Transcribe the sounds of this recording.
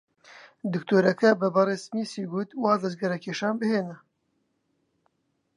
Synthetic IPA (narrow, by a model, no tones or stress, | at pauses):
d̪ɨkt̪oːɾɐkʰɐbɐbɑɾeːsmiːsiːɡuːt̪waːd̪ɐzɡɐɾɐkʰeːʃaːnbɨheːnɐ